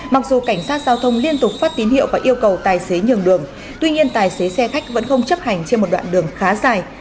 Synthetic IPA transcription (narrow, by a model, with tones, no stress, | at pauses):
ma˨˩k̚zu˨˩ka˧˩jŋ̟saː˦˥t̚zaː˧wt̪ʰə˧wŋ͡mli˧ənt̪ʊ˨˩k͡p̚faː˦˥t̚t̪i˨˦nhḭ˧˨wvaː˨˩ʔi˧əwkə˨˩wt̪aː˨˩jse˨˦ɲɨ˨˩əŋɗɨ˨˩əŋ | t̪wi˧ɲi˧ənt̪aː˨˩jse˨˦sɛ˧xa˦˥jk̟̚və̰˧˥nxə˧wŋ͡mt͡ɕə˦˥p̚ha˨˩jŋ̟t͡ɕe˧nmo˨˩ɗwa̰ː˧˨nɗɨ˨˩əŋxaː˨˦zaː˧˩j